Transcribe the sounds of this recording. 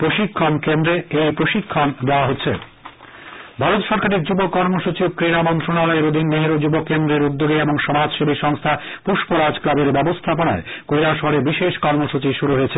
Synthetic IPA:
pɾoʃikʰːonkend̪ɾeejpɾoʃikʰːond̪eoaɦotːɕʰe | bʱaɾot̪ʃɔɾkaɾiɾd͡ʑubokɔɾmoʃut͡ɕikɾeɽamɔnt̪ɾonalɔeɾod̪ʱinːeɦeɾod͡ʑubokːend̪ɾeɾud̪ːoɡeeboŋʃɔmad͡ʑʃebʱiʃɔŋst̪ʰapuʃpoɾad͡ʑklabeɾbɛbost̪ʰapona̰ekojɾaʃɔɽebiʃeʃkɔɾmoʃut͡ɕiʃuɾuɦojet͡ɕʰe

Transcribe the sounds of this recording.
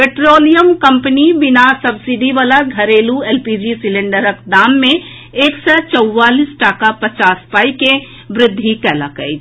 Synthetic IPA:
peʈɾoːlijəmkə̃mpənibɪnasɐbsiɖiʋaːlaɡʱɐɾeːlueːlpid͡ʒisɪlẽɳɖəɾəkd̪aːmːẽ | eːksɛt͡ʃəwːaːliːsʈaːkapət͡ʃaːspaːike | bɾɪd̪ʱːikɛːlakə̰i

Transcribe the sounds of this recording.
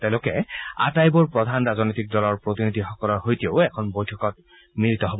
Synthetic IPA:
tɛ̃ʊ̃lʊkɛa̰tajbɔɹpɹɔd̪ʱanɹazɔnojtik̚dɔlɔɹpɹotinidʱixɔkɔlɔɦojtieʊɛkʰɔnbojtʰɔkɔt̚ | miɹitɔɦobɔ

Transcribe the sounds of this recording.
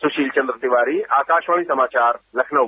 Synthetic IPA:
sʊʃiːlt͡ʃɐ̃nd̪ɾət̪iʋaːɾiːaːkaːʃʋaːmisɐmaːt͡ʃaːɾlɐkʰnɐ

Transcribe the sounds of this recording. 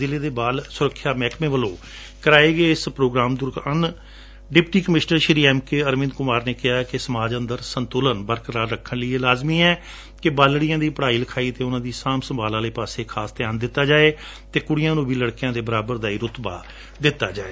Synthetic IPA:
ɪleːd̪eːbaːlsʊɾəkʰːjaːmɛːkmẽːʋəlõː | kəɾaːeːɡəeːɪspɾoːɡɾaːmd̪ʊɾkən | ɖɪpʈiːkəmɪʃnəɾʃɪɾiːɛːmkeːəɾmɪ̃nd̪kʊmaːɾneːkɪɦaːkɪsəmaːd͡ʒənd̪əɾsənt̪ʊlənbəɾkəɾaːɾɾəkʰːənlɪieːlaːzmiːɛː | kɪbaːlɽɪjãːd̪iːpəɽaːiːləkʰaːiːt̪eːʊnãːd̪iːsaːmsəmbʱaːlãːleːpaːseːkʰaːst̪ɪjaːnd̪ɪt̪ːaːd͡ʒaːeː | t̪eːkʊɽɪjãːnũːbiːləɽkjãːd̪eːbəɾaːbəɾd̪aːiːɾʊt̪ba̰ː | d̪ɪt̪ːaːd͡ʒaːeː

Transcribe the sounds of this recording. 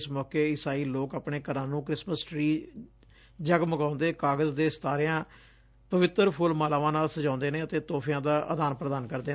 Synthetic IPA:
smɔːkeːɪsaːiːloːkaːpneːkəɾãːnũːkɾɪsməsʈɾiː | d͡ʒəɡməɡãːʊnd̪eːkaːɡəzd̪eːst̪aːɾɪjãː | pəʋɪt̪ːəɾpʰʊlmaːlaːʋãːnaːlsəd͡ʒãːʊ̃nd̪eːneːət̪eːt̪oːpʰjãːd̪aːʔə̰d̪aːnpɾəd̪aːnkəɾd̪eː

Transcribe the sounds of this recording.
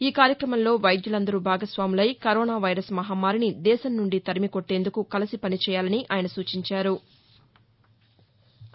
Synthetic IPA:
iːkaːɾjɐkɾɐmɐnlo̞ːʋɐjd̪julɐnd̪ɐɾubʱaːɡɐsʋaːmulɐjkɐɾɔːnaːʋɐjɾɐsmɐɦaːmaːɾinid̪ɛːʃɐnːuɳɖit̪ɐɾimikoʈːe̞ːnd̪ukukɐlɐsipɐnit͡ʃɛːjaːlɐniʔaːjɐnɐsuːt͡ʃiɲt͡ʃaːɾu

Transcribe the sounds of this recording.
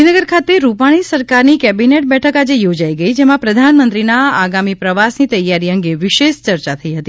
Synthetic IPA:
inəɡəɾkʰat̪eɾupaɽ̃isəɾkaɾnikɛbineʈ̚bɛʈʰəkad͡ʒejod͡ʒaiɡəid͡ʒemãpɾəd̪ʱanmənt̪ɾinaaɡamipɾəʋasnit̪əjːaɾiə̃ŋɡeʋɪʃeʃt͡ʃəɾt͡ʃat̪ʰəiɦət̪i

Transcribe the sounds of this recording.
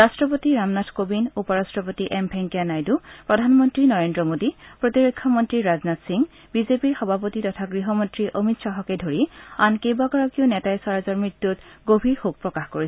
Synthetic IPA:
ɹastɹɔpot̪iɹamnadʰkobinupɔɹastɹɔpot̪iʔɛmbʱɛŋkijanajdupɹɔdʱanmɔntɹinɔɹendɹɔmodipɹot̪iɹokʰːɔmɔntɹiɹaznat̪siŋ | bizepiɹxɔbʱapot̪itɔtʰaɡɹiɦɔmɔntɹiʔomitsɔɦɔkedʱoɹiankebaɡɔɹɔkionɛtajsaɹazɔɹmɹit̪ːutɡobʱiɹhok̚pɹɔkaxkoɹiɛ

